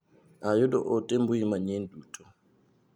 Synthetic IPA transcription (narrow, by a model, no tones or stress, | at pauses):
ajɔdɔʔɔtʼɛmbujimaɲendutʰɔ